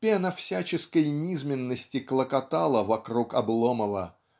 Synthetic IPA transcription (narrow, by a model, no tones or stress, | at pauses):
pʲenɐfsʲæt͡ɕɪskəjnʲizmʲɪnːəsʲtʲɪklˠəkɐt̪alˠəvɐkɾukɐblˠoməvə̰